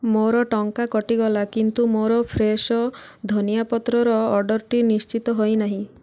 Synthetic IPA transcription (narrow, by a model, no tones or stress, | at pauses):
moɾɔʈɔŋkakɔʈiɡɔlakint̪umoɾɔpʰɾesɔd̪ʱɔnijapɔt̪ɾɔɾɔːɖɔɾʈinist͡ʃit̪ɔɦojnaɦĩ